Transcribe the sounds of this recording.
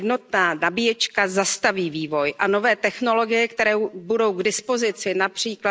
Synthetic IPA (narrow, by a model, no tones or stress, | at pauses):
dno̞t̪̚naːnabijɛt͡ʃkazast̪aviːviːvo̞jʔano̞vɛːt̪ɛxno̞lo̞ɡɪjɛkt̪ɛɾɛwbudo̞wɡdɪspo̞zɪt͡sɪnapr̝̥iːkla